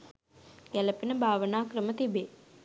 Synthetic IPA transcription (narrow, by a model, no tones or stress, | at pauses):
jɛləpinəbʱaːʋənaːkɾəmət̪ibe